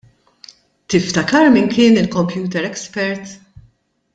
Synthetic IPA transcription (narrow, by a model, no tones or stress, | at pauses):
t̪ɪft̪ɐkɐɾmɪŋkɪːnɪlkɔmpjuːt̪ɛɾɛkspɛɾt̪